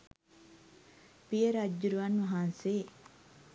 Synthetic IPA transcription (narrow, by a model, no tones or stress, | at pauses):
piəɾad͡ʒːuɾuʋanʋɐɦanseː